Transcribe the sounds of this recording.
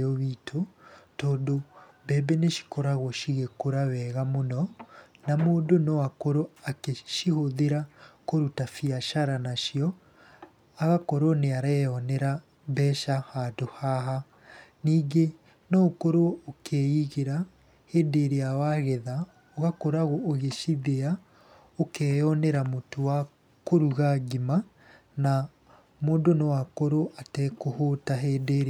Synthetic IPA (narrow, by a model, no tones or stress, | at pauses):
oβiːtʰotɔːndo | bɛːbeneʃi̥koɾaɣɔʃiɣekoɾawɛːɣamonɔ | namoːndonɔwakoɾoakeʃihoðeɾakoɾutafiaʃaɾanaʃiɔ | aɣakoɾɔneaɾaɛɔnɛɾa | βɛːʃahaːdohaɦa | niːɡe | nɔokoɾookʰeiɣeɾa | heːdeɾeawaɣɛða | oɣakoɾaɣoʔoɣeʃiðea | okɛːjɔnɛɾamotowa | koɾuɣaɡima | na | moːndonowakoɾoʔatɛːkohotaɦeːdeɾe